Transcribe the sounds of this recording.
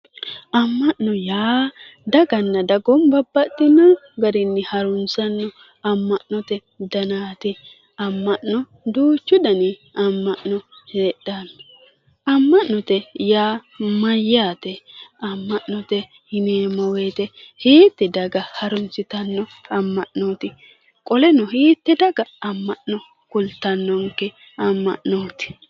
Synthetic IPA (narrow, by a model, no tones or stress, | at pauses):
ɐmːɐʔnɔjaː | d̪ɐɡɐnːɐd̪ɐɡɔmbɐbːɐt̪ːɪnɐɡɐɾɪnːɪhɐɾʊnsɐnːɔ | ɐmːɐʔnɔt̪ɛ | d̪ɐnaːt̪ɪ | ɐmːɐʔnɔ | d̪uːt͡ʃːʊd̪ɐnɪɐmːɐʔnɔheːɗanːɔ | ɐmːɐʔnɔt̪ɛjaː | mɐjːaːt̪ɛɐmːɐʔnɔt̪ɛ | hɪneːmɔweːt̪ɛhiːt̪ːɛd̪ɐɡɐhɐɾʊnsɪt̪ɐnːɔɐmːɐʔnoːt̪ɪ | kʼɔlɛnɔhiːt̪ːɛd̪ɐɡɐɐmːɐʔnɔ | kʊlt̪ːɐnːɔŋkːɛ | ɐmːɐ̰ʔnoːt̪ɪ̥